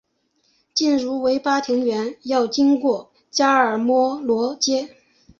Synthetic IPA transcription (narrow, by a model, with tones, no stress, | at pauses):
t͡ɕi˥˩nɻu˧˥we˧˥ɪpa˥t̪ʰi˧˥ŋɥɛ˧˥njɑ˥˩ʊt͡ɕi˥nkwɔ˥˩ | t͡ɕja˥ə˞˨˩mwɔ˥lwɔ˧˥t͡ɕjɛ˥